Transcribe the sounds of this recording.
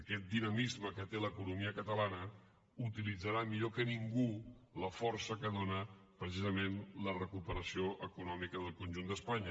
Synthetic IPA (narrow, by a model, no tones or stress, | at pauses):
əkɛt̪̚d̪inəmizməkət̪eləkunumiəkət̪əlanə | ut̪ilid͡zəɾamiʎokəniŋɡu | ləfɔrsəkəðonəpɾəsizəmenlərəkupəɾəsioʔəkunɔmikəðəlˠkunʲʒund̪əspaɲə